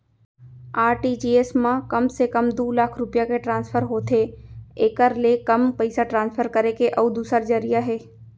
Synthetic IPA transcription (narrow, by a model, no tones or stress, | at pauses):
aːɾʈid͡ʒiːeːsmãkəmsekəmd̪uːlaːkʰɾʊpɪjakeʈɾãːnspʰəɾɦoːt̪ʰeeːkəɾlekəmpəɪsaʈɾãːnspʰəɾkəɾekeʔəud̪uːsəɾd͡ʒəɾijaɦeː